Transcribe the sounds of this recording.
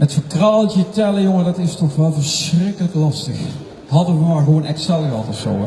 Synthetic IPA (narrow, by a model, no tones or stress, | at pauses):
ətfəɹkraːlˠtətɛləjoŋədɑtɪstɔχʋɛlˠvəɹsrɪkələklɑstəx | ɦɑdəʋəmaːɹɣəʋonɛksɛlˠəʋɑtɔfso̰w